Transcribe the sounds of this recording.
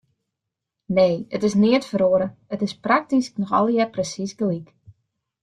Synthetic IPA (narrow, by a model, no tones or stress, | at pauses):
neːətɪsnɪətfəɾoəɾəətɪsprak̚tisknɔxɔ̰lˠjɛprəsisɡlik